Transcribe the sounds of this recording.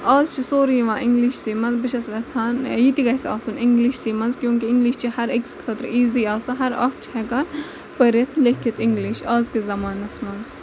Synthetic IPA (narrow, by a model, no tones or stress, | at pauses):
aːzt͡ʃʰisoːɾiʋãːʔɪŋɡliʃsiːmɐnzbɨʃɐsʋɐːt͡sʰaːnjit̪iɡɐjsa̰ːsunɪŋɡliʃsiːmɐnzkjõːŋkiɪŋɡliʃt͡ʃʰihɐɾekskʰɐt̪ɾiːziaːsɐɦɐɾɐ̰ːk̚t͡ʃʰihɛkɐn | pəɾjɐt̪ʰlekʰːit̪ɪŋɡliʃaːzkezɐmaːnɐsmɐnz